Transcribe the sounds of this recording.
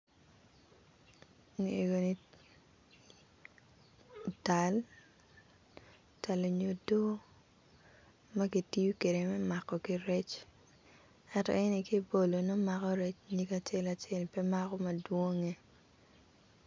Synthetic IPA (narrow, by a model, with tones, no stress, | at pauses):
ni˨e˨ɡo˨ni˦ | ta˨l | ta˨lo˨ɲo˨do˦ | ma˦ɡi˨ti˦u˦ke˨de˨mɛ˦ma˨kːɔ˨ki˦ɾɛ˦t͡ʃ | ɛ˦tɔ̰˨ɛ˦ni˨ki˦bo˨lo˨no˦ma˦kɔ˦ɾɛ˦t͡ʃɲi˦ka˨t͡ʃe˦la˨t͡ʃe˦˨lpɛ˦ma˦kɔ˦ma˨dwo˦ŋe˦